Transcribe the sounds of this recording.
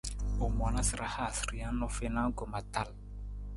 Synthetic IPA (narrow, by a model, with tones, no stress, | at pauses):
o˨m˨a˨na˦si˨ɾa˦ha˦˨sɾi˦a˦nɔ˦fe˦na˦ŋ˦kɔ˨ma˨ta˦˨l